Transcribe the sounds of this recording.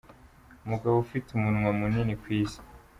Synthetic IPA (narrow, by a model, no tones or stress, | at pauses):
muɡaβofitumunŋwamuninikwiːsi̥